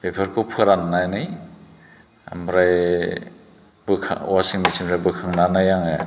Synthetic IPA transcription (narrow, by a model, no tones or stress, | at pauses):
pepʰaɾkʰɯpʰɯɾanːajnɯj | a̰mɾaj | bɯkʰa̰wasiŋmit͡ʃʰimɾajbɯkʰaŋnanajaŋa